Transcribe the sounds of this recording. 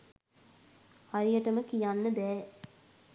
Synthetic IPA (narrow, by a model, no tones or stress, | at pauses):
haɾijəʈəməkijanːəb̪ɛː